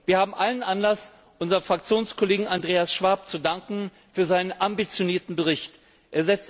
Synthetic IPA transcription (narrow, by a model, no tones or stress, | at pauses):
viːɐhaːbm̩ʔalənʔanlas | ʔʊnzɐʁfʁ̥ak̚t͡sjoːnskʰɔleːɡŋ̩andʁeːasʃv̥aɐp̚t͡sudaŋkŋ̩ | fyːɐzaɪnənʔambit͡sjoniːɐtn̩bəʁ̞ɪçt | ʔeːɐzɛt͡st